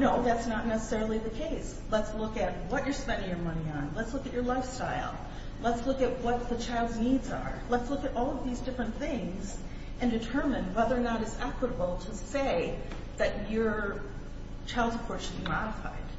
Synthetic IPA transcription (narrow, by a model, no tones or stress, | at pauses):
noʊðætsnətⁿnɛsə̥sɛɹl̩ˠiðɨkʰeɪs | lətslʊkɨt̚wʌt͡ʃə˞spɛ̃ndɪ̃ŋjə˞mʌñiə̃nlətslʊkɨt͡ʃə˞laɪfstaɪlˠ | lətslʊkɨt̚wʌt̪̚ðɨt͡ʃʰaɪlˠdznidzə̰˞lətslʊkɨɾʔɔlˠʌvðizdɪfɹɨ̃nθɪ̃ŋz | ɨ̃ndɨtʰɜ˞mɨ̃nwɛðə˞nəɾɨzækwəɾəbl̩ˠtʰəseɪ | ðɨt͡ʃə˞ | t͡ʃʰaɪlˠdzəpʰɹɔɹtʃɨd̚bimɑlˠəfa̰ɪd̥